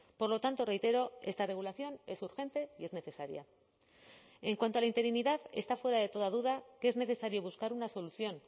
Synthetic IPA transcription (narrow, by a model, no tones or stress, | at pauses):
po̞ɾlo̞t̪ant̪o̞re̞jt̪e̞ɾo̞est̪are̞ɣulaθjo̞ne̞suɾxe̞nt̪e̞ie̞zne̞θe̞saɾja̰ | e̞ŋkwant̪oalaint̪e̞ɾiniðaðe̞̰st̪afwe̞ɾaðe̞t̪o̞ð̞að̞uðakeezne̞θe̞saɾjo̞β̞uskaɾunaso̞luθjo̞n